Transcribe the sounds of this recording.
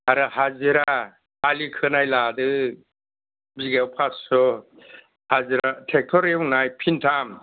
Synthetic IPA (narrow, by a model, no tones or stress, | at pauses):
aɾɯhaziɾaː | likʰɯnajladɯ | biɡewpʰasɔ | haziɾatʰek̚tʰɔɾiuŋnajpʰintʰam